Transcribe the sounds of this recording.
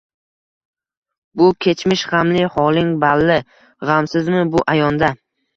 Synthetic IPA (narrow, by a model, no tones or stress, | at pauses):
bʊkʲʰe̞t͡ʃʰmɪʃʁamlɪhɒlɪŋbalːɪ | ʁamsɪzmɪbʊʔajɒnd̪a